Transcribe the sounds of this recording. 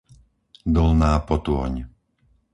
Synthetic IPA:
d̪ɔlnaːpɔt̪ʊɔ̰ɲ

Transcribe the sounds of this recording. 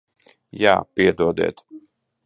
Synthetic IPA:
ja̰ːpiɛd̪uɔd̪ɛ̰ːt̪

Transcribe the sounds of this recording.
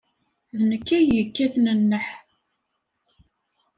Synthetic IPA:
ðnəkːæjəkːæθnənːəħ

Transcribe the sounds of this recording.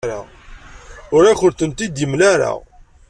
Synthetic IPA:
ɾa̰ | ʊɾæçʊɾθənt̪id̪əmlaɾa̰

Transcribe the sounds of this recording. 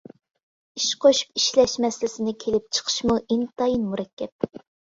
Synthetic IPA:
iʃqʰoʃu̥piʃlɛʃmɛsɪlɪsɪnɪkʲʰelɪp̚t͡ʃʰə̥qʰə̥ʃmuʔint̪ɑjinmuɾɛkʲːɛp̚

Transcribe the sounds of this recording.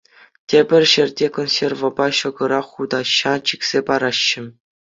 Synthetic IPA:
tʲebʲɘ̆rʲɕɘ̆rʲdʲekonsʲervŏbɑɕɤ̆ɡɤ̆ɾɑχːud̪ɑɕːɑt͡ɕiksʲepɑɾɑɕːɘ̆

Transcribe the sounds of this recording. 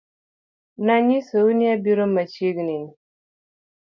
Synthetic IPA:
naɲisəwuniabiɾəmːat͡ʃiɡnini

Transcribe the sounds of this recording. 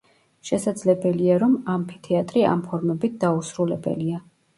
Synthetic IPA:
ʃɛsad̪zlɛbɛliaɾɔmampʰi̥t̪ʰɛat̪ʼɾia̰mpʰɔɾmɛbit̪̚ʰd̪ausɾulɛbɛ̰lia

